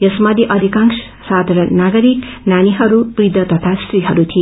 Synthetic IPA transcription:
jʌsmʌd̪iʔʌd̪ʱikaŋs | sad̪ʱɾʌnaɡʌɾiknaniɦʌɾupɾid̪ʱʌt̪ʌt̪ʰast̪ɾiɦʌɾut̪ʰi

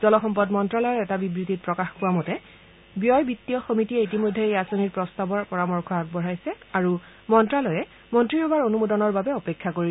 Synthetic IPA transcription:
z̥ɔlɔxɔmpɔdmɔntɹalɔjɛtabibɹitit̚pɹɔkaxkʊwamɔtɛ | bijɔjbitːijɔxomitiɛitimojdʱːeejasoniɹpɹɔstabɔɹpɔɹamɔɹkʰɔaɡ̚bɔɹajsɛaɹu | mɔntɹalɔjɛ | mɔntɹiɦɔwaɹonumodɔnɔɹbabɛɔpekʰːakoɹi

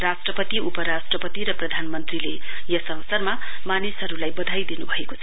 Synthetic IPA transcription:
rasʈrʌpʌt̪iupʌɾasʈrʌpʌt̪iɾʌprʌd̪ʱanmʌnt̪rile | jʌsʌwsʌrma | manisɦʌɾulajbʌd̪ʱajd̪inubʱʌeko̥t͡sʰʌ

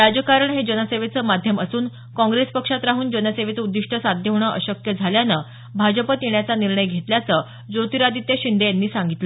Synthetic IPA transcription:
ɾad͡ʑəkaɾəɳɦed͡ʑənəseʋet͡səːmad̪ʱjəməsuːn | kɔ̃ŋɡɾespəkʂat̪ɾaɦuːnd͡ʑənəseʋet͡səud̪ːiʂʈʰəsad̪ʱjəʋɳ̃əʔəɕəkjəd͡zʱaljanə | bʱad͡ʑəpət̪jeɳjat͡saniɾɳəjɡʱet̪ljat͡sə | d͡zot̪iɾad̪it̪eɕind̪ejanːiːsaŋɡit̪lə

